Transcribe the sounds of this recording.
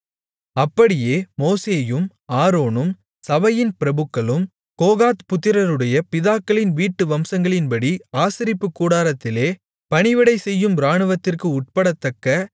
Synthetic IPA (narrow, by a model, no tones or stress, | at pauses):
ɐpːɐɽɪjeːmoːseːjɯm | aːɾoːnɯm | sɐʋɐjɪnpɪɾɐbɯkːɐɭɯm | koːɣaːt̪pʊt̪ːɪɾɐɾɯɽɐjɐpɪðaːkːɐɭɪnʋiːʈːɯʋɐmsɐŋɡɐɭɪnpɐɽiaːsɪɾɪpːɯkːuːɽaːɾɐt̪ːɪleː | pɐɳɪʋɪɽɐɪsɛjːɯmɾaːɳɯʋɐt̪ːɪrkɯʊʈ̚pɐɽɐt̪ːɐkːɐ